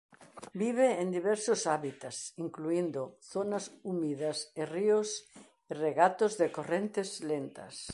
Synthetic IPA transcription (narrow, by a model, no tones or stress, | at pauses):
biβ̞eːnd̪iβɛɾsosaβit̪asiŋkluind̪oθonasumiðɐserios | ireɣat̪ozðekorent̪ezlent̪ɐ̰s